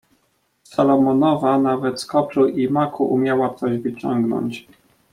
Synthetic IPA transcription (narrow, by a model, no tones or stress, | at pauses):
salɔmɔnɔvanavɛt̪skɔʂuʔimakʰuʔumʲjawap̪sɔʑvɘt͡ɕɔŋɡnɔ̰ɲt͡ɕ